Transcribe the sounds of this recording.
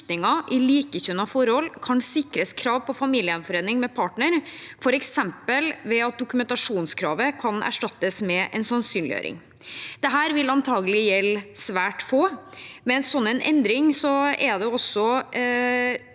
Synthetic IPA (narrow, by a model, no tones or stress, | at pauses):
t̪nɪŋɑʔɪliːkəçʉnɑfɔɾɔlkʰɑnsɪkɾəskʰɾɑːʋpʰɔfɑmiːlɪənfɔɾeːnɪŋmɛpʰɑːʈɳəɾfɔɾɛksɛmpəlʋɛɑt̪̚d̪ʊkʉmɛnt̪ɑʂuːnskʰɾɑ̰ːʋəkʰɑnʔæ̰ʂʈɑt̪ːəsmɛʔɛ̰nsɑnsyːnlɪjø̰ːɾʔɪ̰ŋ | d̪̥ɛɦæːɾʋɪlɑnt̪ʰɑːɡəlɪjɛlsʋæːʈfoːmɛnsɔnːɛnʔɛ̰nd̪ɾɪŋsɔɛd̪ɛɔsːɔ